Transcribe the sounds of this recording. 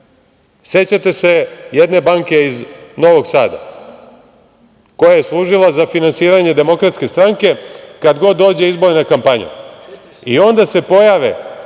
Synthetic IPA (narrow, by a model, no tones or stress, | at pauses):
se̞t͡ɕat̪e̞se̞jed̪ne̞baŋke̞izno̞ʋo̞ɡsaːd̪a̰ | ko̞jaje̞slˠuːʒilˠazafinansiːɾaɲe̞d̪e̞mo̞kɾat̪ske̞st̪ɾaŋke̞kad̪ɡo̞d̪ːo̞ːd͡ʑe̞izbo̞ɾenakampaɲṵ | io̞nd̪ase̞po̞jaʋḛ